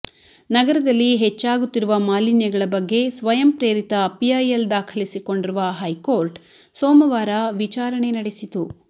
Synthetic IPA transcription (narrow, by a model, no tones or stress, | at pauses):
nɐɡɐɾɐd̪ɐlːiɦɛt͡ʃːaːɡut̪ːiɾuʋɐmaːlinjɐɡɐɭɐbɐɡːe̞sʋɐjɐmpɾe̞ːɾit̪ɐːpijaːjɐld̪aːkʰɐlisiko̞ɳɖiɾuʋɐɦɐjkoːɾʈ | soːmɐʋaːɾɐʋit͡ʃaːɾɐɳe̞nɐɽesit̪u